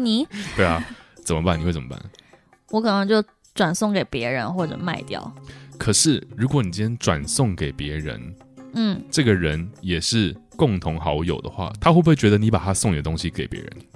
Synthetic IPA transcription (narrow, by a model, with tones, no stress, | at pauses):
ni˨˩t̪we˥˩ɪla˨˩t͡sə˨˩nmə˦pa˥˩ni˨xwe˥˩t͡sə˨˩mə˦pa̰˥˩n | wɔ˧˥kʰɤ˨˩nə˧˦ŋt͡ɕjo˥˩ʊ | ʈ͡ʂwa˨˩nsʊ˥˩ŋke˨˩ɪpjɛ˧˥ɻə˧˥nxwɔ˥˩ʈ͡ʂɤ̰˨˩ma˥˧ɪt̪jɑ̰˥˩ʊkʰə˨˩ʂɻ̩˥˩ɻu˧˥kwɔ˨˧˦ni˨˩jɛ˥nʈ͡ʂwa˨˩nsʊ˥˩ŋke˨˩ɪpjɛ˧˥ɻə̰˧˦˥n | n̩˥˩ʈ͡ʂɤ˥˩ɡə˩ɻə˧˥njɛ˨˩ʂɻ̩˥˩kʊ˥˩ŋt̪ʰʊ˧˥ŋxɑ˧˥ʊjo˨˩ʊd̪ə̰˦xwa̰˥˩t̪ʰa˥xwe˥˩we˥˩t͡ɕɥɛ˧˥d̪ə˧ni˧˥pa˨˩a˥sʊ˥˧ŋi˨ɡə˩t̪ʊ˥ŋɕi˦ke˨˩ɪpjɛ̰˧˥ɻə̰˧˦n